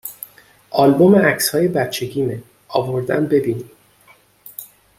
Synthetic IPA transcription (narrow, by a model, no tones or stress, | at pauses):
ʔɒːlbo̞meʔæcshɒːje̞bæt̪̚t͡ʃʰe̞ɟiːme | ʔɒ̰ːvo̞ɾd̪æmbe̞biːni